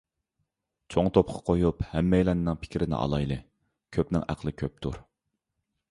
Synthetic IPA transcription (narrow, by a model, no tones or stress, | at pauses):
t͡ʃʰoŋt̪ʰop̚qʰɑ̥qʰojuphɛmːɛjlɛnːɪŋpʰɪ̥kʲɾɪnɪ̰ʔɑ̰lˠɑjlˠɨ | kʲʰøpnɪŋæ̰qlˠɨkʲʰøp̚t̪ʰṵɾ